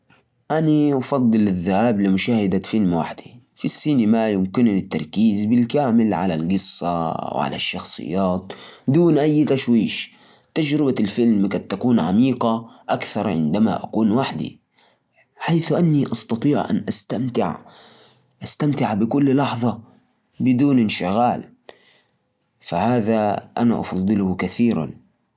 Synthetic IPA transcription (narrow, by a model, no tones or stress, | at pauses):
ʔaniʔɑfɑd̪ˤːɨlɪðːahaːblɪmʊʃaːhɪd̪afɪlmwa̰ħd̪i | fisːinɪmajʊmkɪnɪt̪ːɑɾˤkiːzbɪlkaːmɪlʕa̰lalɡɨsˤːa̰wʕa̰la̰ʃːɑxsˤɨ̰jːaːt̪̚d̪uːnʔajːt̪aʃwiːʃ | t̪ad͡ʒɾɪbalfɪlmkant̪ːakuːnʕa̰miːqaʔakθɑɾˤʕɪ̰nd̪ama̰ʔa̰kuːnwaħd̪ḭ | ħajθʔanːiʔɑst̪ɑt̪ˤiːʕʔa̰nʔast̪amt̪ɪʕ | ʔast̪amt̪ɪʕbɪkʊlːlɑħðˤɑ | bɪd̪uːnɪnʃɪɣaːl | fahaːðaʔana̰ʔɑ̰fɑðˤːɨlʊhkaθiːɾa̰n